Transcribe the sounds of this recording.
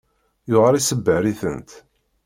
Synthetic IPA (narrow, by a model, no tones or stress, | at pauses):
joʁɾˤisəbːəɾiθə̰nt̪